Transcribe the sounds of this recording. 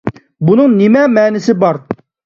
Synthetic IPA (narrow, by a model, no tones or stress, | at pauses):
bunɨŋnɪmɛmɛːnɪsɪbɑɾ